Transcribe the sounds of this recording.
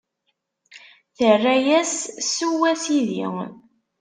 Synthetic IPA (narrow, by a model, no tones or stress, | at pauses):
θərːæjæssuwæsiðḭ